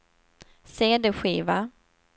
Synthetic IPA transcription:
seːd̪ɛɧiːva

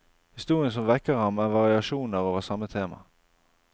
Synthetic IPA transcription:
hɪst̪uːʁɪənsɔmʋɛkːəʁɑmæːʋɑʁɪɑʃuːnəʁoːʋəsɑmət̪ʰeːmɑ̰

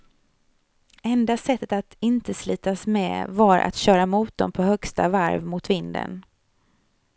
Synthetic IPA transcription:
ɛnd̪asɛt̪ːət̪at̪ɪnt̪əslyːt̪asmɛ̰ːvaɾʔa̰t̪ɕœːɾamuːt̪̚d̪ɔmpʰɔhœkst̪a̰vaɾvmʊt̪vɪnd̪ə̰n

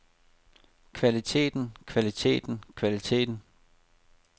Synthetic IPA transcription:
kʰʋælit͡sʰe̝̰ːd̥n̩kʰʋælit͡sʰe̝̰ːd̥n̩kʰʋælit͡sʰe̝̰ːd̥n̩

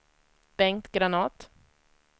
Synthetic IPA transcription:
b̥ɛŋkt̪ɡɾanɑːt̪

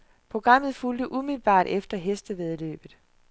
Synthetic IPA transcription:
pʰʁo̝ɡ̥ʁɑ̈m̰ð̞̩ˠfuld̥əʔumiðl̩b̥ɑ̰̈ːd̥efd̥ɐɦesd̥əʋeð̞ˠlø̰ːb̥ð̩ˠ

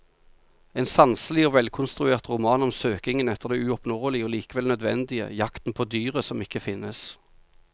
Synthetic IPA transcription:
eːnsɑnsəlɪoːʋɛlkʰʊnst̪ʁʉeːʁt̪ʁʊmɑːnɔmsøːkɪŋənɛt̪ːəʁd̪ɛːʉɔpnuːʁəlɪoːliːkəʋɛlnœd̪ʋɛnd̪ɪə̰jɑkt̪n̩pʰoːd̪yːʁəsɔmɪkːəfɪnːəs

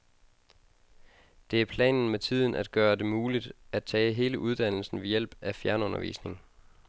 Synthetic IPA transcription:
d̥e̝æɐpʰlɛ̰ːnn̩met͡sʰið̞̰ˠn̩ʔæd̥̚ɡ̥ɶːɐd̥e̝muːlid̥æd̥̚t͡sʰɛ̰ːɦe̝ːləʔuð̞ˠd̥æn̰l̩sn̩ʋe̝jel̰b̥æfjæɐnɔ̽nɐʋḭːsne̝ŋ

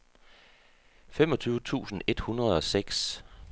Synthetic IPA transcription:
fem̰ɒ̽t͡sʰyːʊət͡sʰṵːsn̩e̝d̥hunʁɐð̞ˠɒ̽seɡ̥s

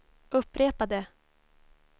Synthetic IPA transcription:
ʔɵpːɾeːpad̪ə

